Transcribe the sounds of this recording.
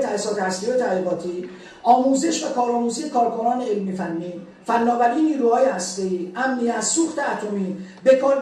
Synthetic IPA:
t̪ʰæsɒːt̪ehæst̪ijot̪ʰæɣiːbɒːt̪ʰiː | ɒːmuːzeʃvækʰɒːɾɒːmuːzijekʰɒːɾkʰo̞nɒːneelmifænːiː | fænːɒːvæɾiːniːɾuːhɒːjehæst̪e̞iːʔæmnijæt̪suːxt̪eæt̪ʰo̞miːbekʰɒːɾ

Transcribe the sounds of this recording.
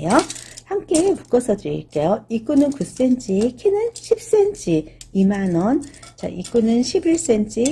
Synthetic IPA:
johamk͈eːmuk͈ʌsʰʌdɯɾḭɭk͈ejoik͈unɯnkus͈ent͡ɕ͈ʰikʰinɯnɕʰip̚s͈e̞nt͡ɕ͈ʰiimanʌnt͡ɕa̰ʔik͈unɯnɕʰibiɭs͈ent͡ɕ͈ʰi

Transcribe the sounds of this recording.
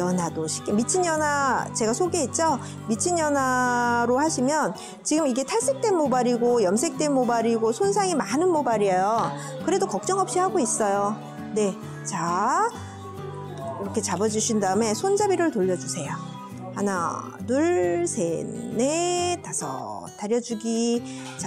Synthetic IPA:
jʌnadoɕʰi̥k͈emit͡ɕʰiɲjʌnat͡ɕe̞ɡasʰoɡe̞it̚t͡ɕ͈ʌ | mit͡ɕʰinjʌnaɾohaɕʰimjʌn | t͡ɕiɡɯmiɡe̞tʰaɭs͈e̞k̚t͈we̞nmobaɾiɡojʌnsʰe̞k̚t͈e̞nmobaɾiɡosʰons̬ʰaŋimanɯnmobaɾiejo | kɯɾe̞dokʌk̚t͡ɕ͈ʌŋɦʌp̚ɕ͈ihaɡois͈ʌjo | ne̞ | t͡ɕa | iɾʌkʰe̞t͡ɕabʌd͡ʑuɕʰindaɯme̞sʰond͡ʑabiɾɯɭtoʎːʌd͡ʑusʰe̞jo | hana̰ | nuɭsʰenetasʰʌ̰ | taɾjʌd͡ʑuɡi | t͡ɕa

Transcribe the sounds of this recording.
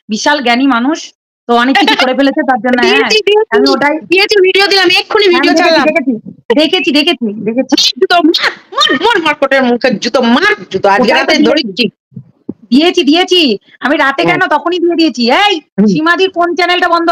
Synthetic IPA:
biʃalɡɛnimanuʃ | t̪oɔniikʰkoɾepelet͡ɕʰet̪aɾd͡ʑonːeiid̪iamioʈajd̪iet͡ɕʰibʱiɖiod̪iamiekʰːunibʱiijod̪ekeiad̪ekʰet͡ɕʰid̪ekʰet͡ɕʰid̪ekʰet͡ɕʰid̪ekʰet͡ɕʰid͡ʒut̪omat̪manmaɾmaɾkoʈeɾmukʰed͡ʒut̪omat̪d͡ʒut̪oaɡeɾat̪ed̪ʱoɽiʈʰi | d̪iet͡ɕʰid̪ijet͡ɕʰi | amiɾat̪ekɛnot̪ɔkʰonid̪ijed̪ijet͡ɕʰiejʃimad͡ʑiɾkont͡ɕɛnelʈabɔnd̪ʱo

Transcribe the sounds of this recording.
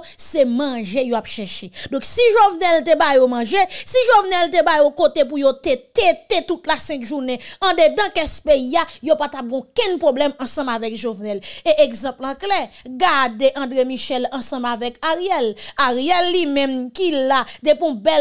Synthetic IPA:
semɐ̃ʒejoapʃɛʃed̪ɔ̃ksiʒovnɛlt̪ebajomɑ̃ʒesiʒovnɛlt̪̬ebajokot̪ep̬ujot̪et̪et̪et̪utlasɛ̃kʒuneɐ̃d̪edɐ̃kɛspeiajopat̪ap̚ɡɔ̃kɛ̃npʁoblɛmɐ̃sɐ̃mavɛkʒovnɛleʔeɡzãplãklɛɡadeʔɐ̃dʁemiʃɛlɐ̃sɐ̃mavɛkaʁijɛlaʁijɛlːimɛ̃mkilad̪epɔ̃bɛl

